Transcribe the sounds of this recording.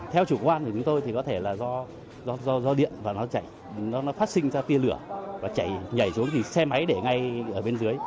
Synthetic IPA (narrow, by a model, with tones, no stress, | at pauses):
t̪ʰɛ˧wt͡ɕu˧˩kwʔaː˧nkt͡ɕʊ˨˦ŋ͡mt̪o˧jt̪ʰi˨˩kɔ˨˦t̪ʰe˧˩laː˨˩zɔ˧ | zɔ˧zɔ˧zɔ˧ɗḭ˧˨ənvaː˨˩nɔ˨˦t͡ɕa˧˩j | nɔ˨˦nɔ˨˦faː˦˥t̚sï˧ŋ̟zaː˧t̪i˧əlɨ˧˩əvaː˨˩t͡ɕa˧˩jɲə˧˩jsu˨˦əŋt̪i˨˩sɛ˧ma˨˦jɗe˧˩ŋa˧jʔəː˧˩ɓe˧nzɨ˨˦əj